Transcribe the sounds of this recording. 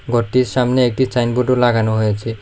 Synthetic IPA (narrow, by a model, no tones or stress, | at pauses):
ɡɔʈːiɾʃamneek̚ʈit͡ʃajnboʈolaɡanoɦojet͡ɕʰe